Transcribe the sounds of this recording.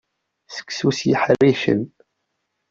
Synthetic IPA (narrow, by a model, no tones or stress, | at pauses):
sə̥kːsusjiħərːiʃə̰n